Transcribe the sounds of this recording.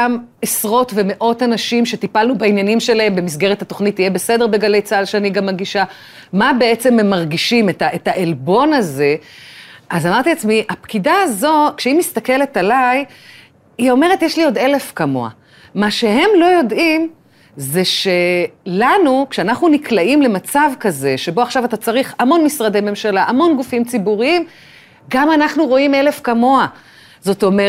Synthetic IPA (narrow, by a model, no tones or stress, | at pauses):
amesʁo̞tve̞me̞ʔo̞tanaʃimʃe̞t̪ipalnubainjanimʃe̞lae̞mbe̞mis̬ɡe̞ʁ̞ethat̪o̞χnitːijebese̞de̞ʁbiɡale̞jt͡saalʃeaniɡamːaɡiʃa | mabe̞et͡se̞memːaʁɡiʃimetaʔetaʔelbo̞naze̞ | ʔazamaʁt̪iat͡smiapkidaːzo̞kʃeimist̪ake̞le̞talaj | io̞me̞ʁ̞etjeʃlio̞d̪e̞le̞fkamo̞̰a̰ | maʃe̞ɦe̞mlo̞jo̞dim | ze̞ʃe̞lanukʃeanaχnuniklaimle̞mat͡savkaze̞ʃe̞bo̞aχʃavat̪at͡saʁiχamo̞nmisʁad̪eme̞mʃalaʔamo̞nɡufimt͡sibuʁiim | ɡamanaχnuʁo̞ime̞le̞fkamo̞a | zo̞t̪o̞me